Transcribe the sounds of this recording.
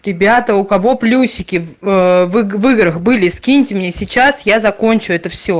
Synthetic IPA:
ɾʲɪbʲat̪əʊkɐvo̞plʲusʲɪkʲɪvɨvɨɡɾəxbɨlʲɪskʲinʲtʲɪmnʲesʲɪt͡ɕasjazɐko̞nʲt͡ɕʊɛt̪əfsʲo

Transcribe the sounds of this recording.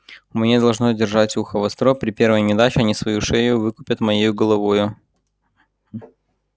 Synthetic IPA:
mʲnʲed̪ɐlˠʐnodʲɪrʐatʲuxəvɐst̪ɾopɾʲɪpʲe̞ɾvəjnʲɪd̪at͡ɕɪɐnʲisvɐjuʂejʊvɨkʊpʲət̪mɐjejʊɡəlˠɐvojʊ

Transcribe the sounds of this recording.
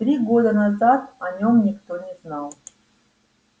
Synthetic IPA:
t̪ɾʲiɡod̪ənɐzat̪ɐnʲomnʲɪkt̪onʲɪznɑlˠ

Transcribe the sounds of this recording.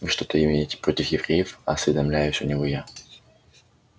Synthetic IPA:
vɨʂt̪o̞t̪əɪmʲejɪtʲɪ̥pɾo̞tʲɪfjɪvɾʲejɪfɐːsvʲɪd̪ɐmlʲæjʊʃʲʊnʲɪvoja

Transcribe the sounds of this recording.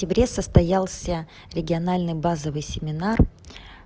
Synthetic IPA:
tʲɪbɾʲe̞səst̪ɐjalˠsʲə | ɾʲɪɡʲɪɐnalʲnɨjbazəvɨjsʲɪmʲɪnar

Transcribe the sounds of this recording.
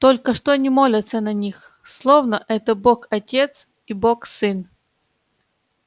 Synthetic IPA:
t̪olʲkəʂt̪onʲɪmo̞lʲɪt̪sənɐnʲix | slˠovnəʔɛt̪əbokɐtʲe̞t̪s | iboksɨn

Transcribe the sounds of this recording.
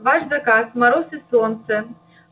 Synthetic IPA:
vaʂzɐkazmɐɾosɨsɔnt̪sɛ

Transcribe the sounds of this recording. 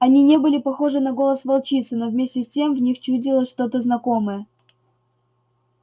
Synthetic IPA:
ɐnʲinʲe̞bɨlʲɪpɐxo̞ʐɨnɐɡo̞lˠəsvɐlˠt͡ɕit̪sɨnovmʲesʲtʲɪsʲtʲe̞mvnʲixt͡ɕudʲɪlˠəsʲʂt̪o̞t̪əznɐko̞mɨjə

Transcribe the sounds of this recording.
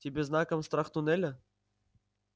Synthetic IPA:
tʲibʲeznakəmst̪raχt̪unelʲɘ̆

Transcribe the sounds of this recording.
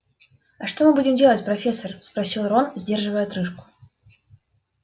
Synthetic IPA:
ɐʂt̪o̞mɨbudʲɪmdʲe̞lˠətʲpɾɐfʲe̞sːərspɾɐsʲilˠɾonzʲdʲerʐɨvəjət̪ɾɨʂkʊ̥

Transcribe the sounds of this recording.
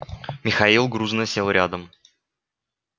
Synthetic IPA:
mʲɪxɐilˠɡɾuznəsʲelˠɾʲad̪əm

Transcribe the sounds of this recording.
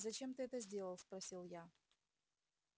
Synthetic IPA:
zɐt͡ɕe̞mt̪ɨɛt̪əzʲdʲe̞lˠəlˠspɾɐsʲilˠja

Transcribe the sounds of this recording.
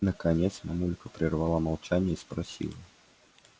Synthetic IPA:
nəkɐnʲet̪smɐmulʲɪkəpɾʲɪrvalˠamɐlˠt͡ɕænʲɪjəispɾɐsʲḭlˠə

